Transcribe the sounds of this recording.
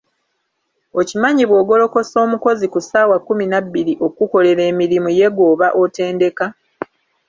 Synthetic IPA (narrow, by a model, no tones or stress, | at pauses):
o̞cimaɲiβwo̞ːɡo̞lo̞ko̞so̞ːmuko̞zikusaːwakːuminabːiɾiʔo̞kuko̞le̞ɾe̞ːmiɾimuje̞ɡo̞ːβaʔo̞te̞ːnde̞ka